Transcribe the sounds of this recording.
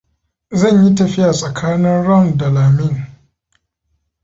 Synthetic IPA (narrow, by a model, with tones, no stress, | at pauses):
zɐ˦˨ɲji˦tɐ˨ɸɪ˦jaː˨sʼɐ˨kʰaː˦nɪ˦nɽɐ˦˨ndɐ˨laː˨mɪ˦ŋ